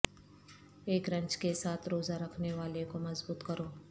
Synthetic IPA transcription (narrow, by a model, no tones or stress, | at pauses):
eːkɾɐ̃ɲt͡ʃkesaːt̪ʰɾoːzaɾɐkʰneʋaːlekomɐzbuːt̪kɐɾoː